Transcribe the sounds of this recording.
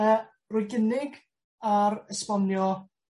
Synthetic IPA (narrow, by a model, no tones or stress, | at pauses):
rʊjɡənɪɡ | aɾəspɔnjɔ